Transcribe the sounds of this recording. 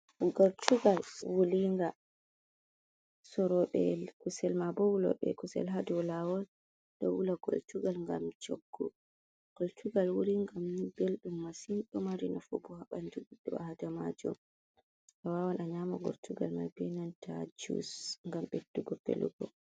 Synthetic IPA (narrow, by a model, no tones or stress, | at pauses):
ɡɔɾtʰuɡalwuliŋɡa | sɔɾɔɓɛlkusɛlmabɔwulɔ̰ɓɛ̰kusɛ̰lɦadɔlawɔl | dɔ̰wulaɡ̥o̰ltuɡalŋɡa̰mt͡ʃoɡːɔ | ɡ̥oltʰuɡalwuɾiŋɡambelɗumːasinɓɔmaɾinɔfɔbuhaɓanduɡudːɔahadamad͡ʒɔ̰m | awawanʔaɲamɔɡɔ̰ɾtuɡalma̰bɛnantʰad͡ʒṵsŋɡamɓedːuɡɔpːḛlṵɡɔ